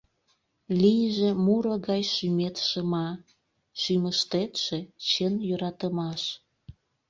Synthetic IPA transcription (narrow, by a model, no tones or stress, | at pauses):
lijəʒemuɾoɣɑjʃymet̪ʃəmɑ | ʃyməʃt̪et̪ʃet͡ɕənjøɾɑt̪əmɑʃ